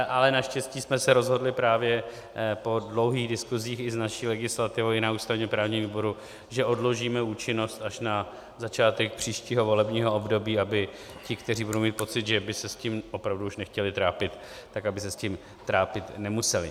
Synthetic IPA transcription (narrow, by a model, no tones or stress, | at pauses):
ʔalɛnaʃcɛsciːsmɛsɛɾo̞zɦo̞dlɪpɾaːvjɛ | po̞dlo̞wɦiːɣdɪskuziːxɪznaʃiːlɛɡɪslat̪ɪvowɪnauːst̪avɲɛmpɾaːvɲiːmviːbo̞ɾu | ʒɛʔo̞dloʒiːmɛuːt͡ʃɪno̞st̪aʃna | zat͡ʃaːt̪ɛk̚pr̝̥iːʃciːɦo̞vo̞lɛbɲiːɦo̞obdo̞biːabɪ | cɪkt̪ɛr̝iːbudowmiːt̪̚po̞t͡sɪt̪ʒɛbɪsɛsciːmʔopɾavduuʃnɛxcɛlɪt̪ɾaːpɪt̪ | t̪akabɪsɛscim | t̪ɾaːpɪt̪nɛmusɛlɪ̰